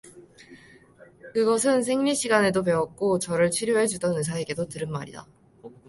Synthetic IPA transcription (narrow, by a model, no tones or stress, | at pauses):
kɯɡʌsʰɯns̬ʰe̞ŋɲiɕʰiɡane̞dop̬e̞wʌk̚k͈ot͡ɕʌɾɯɭt͡ɕʰɥiɾjoɦe̞d͡ʑudʌnɯs̬ʰae̞ɡe̞dotɯɾɯnmaɾḭda̰